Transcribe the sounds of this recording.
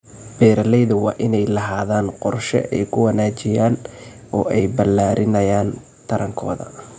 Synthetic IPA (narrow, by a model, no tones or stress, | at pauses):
b̥ɛːɾɐlɛjðɐwɑːʔɪnɛjlɐɦaːðaːnqɔrʃɛ̰ʔɛ̰jkʰʊwɐnaːt͡ʃɪjaːn | ɔːʔɛjbɐlaːɾʔɪnɐjaːn | t̪ʰɐɾʔɐŋkʰɔ̰ːðɐ̰